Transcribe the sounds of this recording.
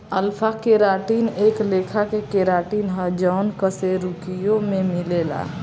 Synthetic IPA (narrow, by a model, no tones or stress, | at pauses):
əlpʰakeːɾaːʈiːneːkleːkʰakekeɾaːʈiːnɦəd͡ʒɔːnkəseɾukijõmẽmɪleːla̰ː